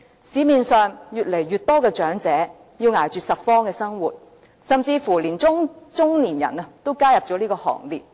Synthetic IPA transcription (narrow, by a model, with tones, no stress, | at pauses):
siː˨˧miː˨˧nsœː˨ŋjyː˨t̚le˨˩jɥyː˨t̚t̪ɔː˥kɛː˧t͡ʃœː˨˥ŋt͡sɛː˨˥ | jiː˧wŋaː˨˩jt͡ʃyː˨sɐ˨t̚fɔː˥ŋkɛː˧sɐ˥ŋwuː˨˩t̚ | sɐ˨mt͡siː˧fu˨˩liː˨˩nt͡sʊ˥ŋt͡sʊ˥ŋliː˨˩njɐ̰˨˩nɐ˧t̪o˥wkaː˥jɐ˨p̚t͡ʃɔː˨˥liː˥kɔː˧hɔ̰ː˨˩ŋliː˨˩p̚